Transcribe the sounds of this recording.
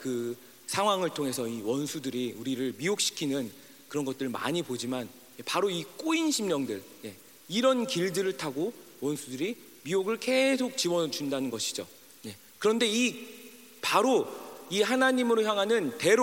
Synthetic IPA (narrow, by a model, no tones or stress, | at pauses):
kɯ | sʰaŋɦwaŋɯɭtʰoŋɦe̞sʰʌiwʌnsʰudɯɾiuɾiɾɯɭmiok̚ɕ͈ʰi̥kʰinɯn | kɯɾʌnɡʌt̚t͈ɯɭma̰ɲipod͡ʑiman | jepaɾoik͈oinɕʰimɲʌŋdɯɭ | je̞ | iɾʌnkiɭdɯɾɯɭtʰaɡo | wʌnsʰudɯɾi | mioɡɯɭke̞sʰok̚t͡ɕiwʌd͡ʑundanɯnɡʌɕʰi̥d͡ʑo | je̞ | kɯɾʌnde̞i | paɾoihanaɲimɯɾoçjaŋɦanɯnte̞ɾ